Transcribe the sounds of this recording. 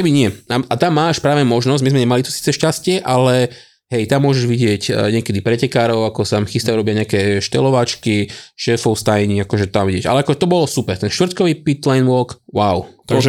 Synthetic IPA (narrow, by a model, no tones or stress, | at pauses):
kbiɲɪɛaʔat̪amːaːʃpɾaːʋɛmɔʒnɔzɟmizmɛɲɛmalit̪ɔ̥si̥ːt͡sɛʃcascɪɛʔalɛ | ɦɛjt̪amːʊɔʒɛʒʋiɟɪɛcɲɪɛkɛd̪ipɾɛcɛkaːɾɔʊakɔsanamxist̪auɾɔbɪaɲɛakɛʃt̪ɛ̰lɔʋat͡ʃkiʃɛːfɔʊst̪ajɲiakɔʒɛt̪amʋiɟɛɟʔa̰lɛakɔʒɛt̪ɔbɔlɔsupɛɾt̪ɛnʃt̪ʋr̩t̪̚kɔʋiːpit̪lajnʋɔːkwaʊt̪ɔʒ